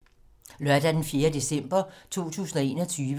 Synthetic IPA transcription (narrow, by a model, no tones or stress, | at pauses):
lœɐd̥æd̥enfje̝ːɐd̥e̝sem̰b̥ɐt͡sʰo̝̰ːt͡sʰṵːsn̩ɒ̽e̝ːnɒt͡sʰyːʋ